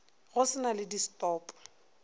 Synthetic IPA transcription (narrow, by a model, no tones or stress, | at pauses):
ɣʊsɪnalɪdistɔːpʼɔ̥